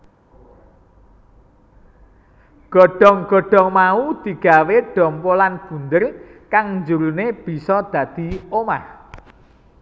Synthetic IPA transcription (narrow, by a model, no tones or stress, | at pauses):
ɡ̥ɔ̤ɖ̥ɔ̤ŋɡ̥ɔ̤ɖ̥ɔ̤ŋmaud̪̥i̤ɡ̥a̤weɖ̥ɔ̤mpolanb̥ṳnd̪ərkaŋnd͡ʒuɾuneb̥i̤sɔd̪̥ä̤d̪̥i̤omah